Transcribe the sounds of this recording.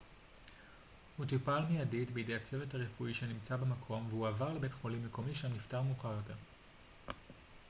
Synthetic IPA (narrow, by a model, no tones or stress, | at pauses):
hutipalmejaditbeide̞jat͡sevethaʁefuiʃenimt͡sabemakʰo̞mvehuavaʁlebetχo̞limːe̞ko̞miʃamniftaʁmuːχaʁjo̞te̞ʁ